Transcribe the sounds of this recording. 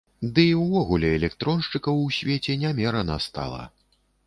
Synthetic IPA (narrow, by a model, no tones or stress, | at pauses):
d̪ɨwvɔɣulʲɛɛlʲɛkt̪ɾɔnʂt͡ʂɨkɐwsʲvʲet͡sʲɛnʲamʲɛɾɐnɐ̰st̪a̰lˠɐ̰